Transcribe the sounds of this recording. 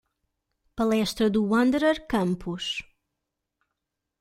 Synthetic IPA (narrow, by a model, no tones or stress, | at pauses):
pɐlˠɛʃt̪ɾɐðuwɐ̃nd̪eɾɐɾkɐ̃mpʰuʃ